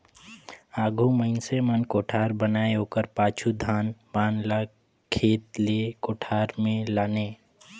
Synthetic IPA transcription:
aɡʱuməɪnsemənkoʈʰaɾbənaeokəɾpat͡ʃʰud̪ʱanbanla | kʰet̪lekoʈʰaɾmẽlane

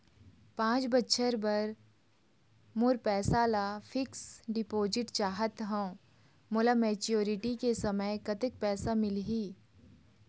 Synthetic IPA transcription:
pãːt͡ʃbɐtːʃʰəɾbɐɾ | mʊɾpɛːsalaːfʰɪksɖɪpoːzɪʈt͡ʃaːɦət̪ɦɛ̃ | mʊlameːt͡ʃjoːɾɪʈikesɐməjkɐt̪ɪk̚pɛːsamɪlɦiː

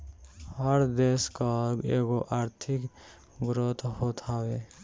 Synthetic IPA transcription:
həɾd̪eːskaeːɡoʔaːɾt̪ʰɪk | ɡɾot̪ʰhoːt̪ʰaːweː

